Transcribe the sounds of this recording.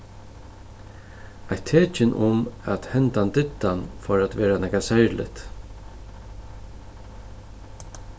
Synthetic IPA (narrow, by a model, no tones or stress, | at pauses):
ajt̪ʰeːt͡ʃɪnʔʊmat̪hɛnt̪ant̪ɪt̪ːanfɔɾat̪ʋeːɾanɛkasajɾlɪ̰t̪